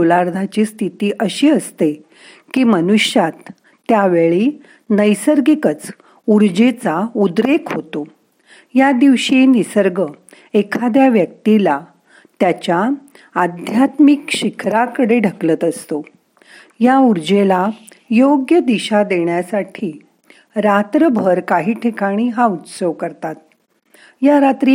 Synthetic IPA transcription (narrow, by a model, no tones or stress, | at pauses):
olaɾd̪ʱat͡ɕiːst̪ʰit̪iːʔəɕiːəst̪e | kiːmənuɕjat̪ː | jaʋeɭiː | nəjsəɾɡikət͡s | uɾd͡ʑet͡saud̪ɾekʰɦot̪o | jad̪iʋɕinisəɾɡə | ekʰad̪jaʋjək̚t̪ila | t̪jat͡ɕja | ad̪ʱjat̪mikɕikʰɾakəɽeɖʱəklət̪əst̪o | jauɾd͡ʑelajoɡjəd̪iɕad̪eɳjasaʈʰiː | ɾat̪ɾəbʱəɾkaɦiːʈʰikaɽ̃iɦaut̪səʋkəɾt̪at̪̚ | jaɾat̪ɾi